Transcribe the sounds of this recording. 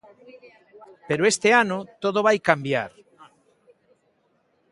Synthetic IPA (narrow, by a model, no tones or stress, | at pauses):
peɾoest̪eanot̪oð̞oβ̞ajkambja̰ɾ